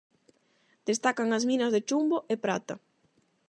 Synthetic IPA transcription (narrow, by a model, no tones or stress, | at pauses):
d̪̥est̪akaŋɐzminɐzðet͡ʃumboʔepɾat̪ɐ